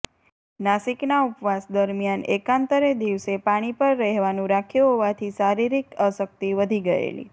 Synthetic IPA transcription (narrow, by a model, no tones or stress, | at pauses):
nasiknaupʋasd̪əɾmjanḛkãnt̪əɾed̪iʋsepaɽ̃ipəɾːɛɦʋanũɾakʰjuɦoʋat̪ʰisaɾiɾikəsək̚t̪iʋəd̪ʱiɡəḛlḭ